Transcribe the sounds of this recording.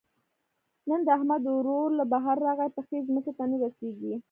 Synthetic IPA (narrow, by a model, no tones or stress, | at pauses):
nənd̪əahmad̪ɾoɾlabaɦaɾːɑɣajpəxezməket̪anaɾaseɡi